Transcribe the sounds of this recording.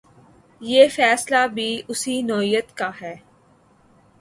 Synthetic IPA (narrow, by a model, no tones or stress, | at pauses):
jeːfɛːslabʱiʊsinɔːijət̪kaɦɛː